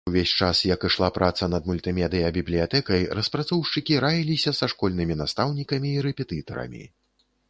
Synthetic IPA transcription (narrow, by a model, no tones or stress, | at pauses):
vʲesʲt͡ʂasjɐkɨʂlˠapɾʔat̪sɐnɐd̪mulʲt̪ɨmʲɛd̪ɨjɐbʲiblʲijat̪ɛkɐjrɐspɾat̪sɔwʂt͡ʂɨkʲiɾajʲilʲisʲɐsɐʂkɔlʲnɨmʲinast̪awnʲikɐmʲiːɾɛpʲɛt̪ɨt̪ɐɾɐ̰mʲḭ